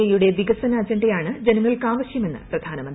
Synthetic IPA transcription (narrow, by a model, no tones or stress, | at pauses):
ɐjuɽe̞ʋiɡɐsɐnɐːd͡ʑɐɳɖejaːɳɨd͡ʑe̞nɐŋːɐɭkaːʋɐɕjɐme̞nːɨ̰prɐd̪ʱaːnɐmɐnd̪